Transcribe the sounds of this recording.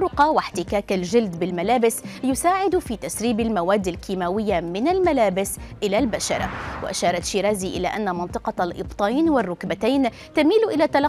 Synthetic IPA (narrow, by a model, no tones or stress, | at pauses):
ʊqɑwɪħt̪ɪkaːkald͡ʒɪld̪bɪlmalaːbɪsjʊsaːʕɪd̪fiːt̪asɾiːbalmawaːd̪ːalkiːmaːwɪjːamɪnalmalaːbɪsʔɪlaːlbaʃɑ̰ɾˤwa̰ʔa̰ʃɑːɾˤɑt̪ʃiːɾaːziːʔɪ̰laːʔanːamɑnt̪ˤɨqɑlʔɨ̰bt̪ˤajnwɪrːʊkbat̪ajn | t̪amiːlʔɪlaːt̪ːalɑ